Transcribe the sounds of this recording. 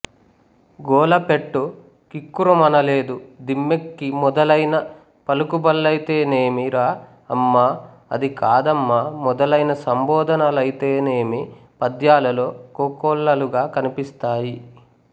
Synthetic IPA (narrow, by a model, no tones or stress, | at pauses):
ɡɔːlɐpe̞ʈːu | kikːuɾɐmɐnɐle̞ːd̪ud̪imːekːimɔd̪ɐlɐjnɐ | pɐlukubɐlːɐjit̪e̞ːneːmiɾaː | ɐmːaː | ɐ̰d̪ikaːd̪ɐmːaːmɔd̪ɐlɐjnɐsɐmbɔːd̪ʱɐnɐlɐjit̪e̞ːneːmipɐd̪jaːlɐloːkoːkɔːɭːɐluɡaːkɐnipist̪aːji